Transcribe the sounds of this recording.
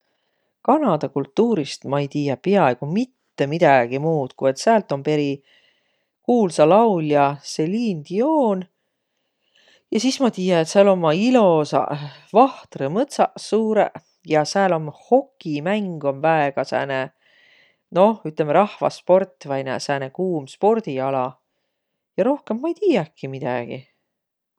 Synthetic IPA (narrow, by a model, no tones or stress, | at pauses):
kɑnɑd̪̥ɑkult̪ːuːɾist̪mɑejt̪iːjɑpeɑe̞ɡ̥umit̪ːe̞mid̪̥ɑɡ̥imuːt̪kue̞t̪seæːlt̪ˑo̞mpe̞ɾi | kuːlsɑlɑwljɑse̞liːnd̪̥ioːn | jɑsismɑt̪iːjɑet̪sɑlo̞mːɑilo̞sɑ̰vɑht̪remɤt̪sɑsuːɾḛ | jɑseæːlo̞mho̞kːˑimæŋɡ̥o̞nvæeɡ̥ɑsæ̰ːne | no̞yt̪lemːeɾɑhvɑ̰spo̞rt̪ːvɑjnæ̰sæːnekuːmspo̞rd̪̥iɑlɑ | jɑɾo̞hkemːɑejt̪iːjɑkːˑimid̪̥æ̰ɡ̥ḭ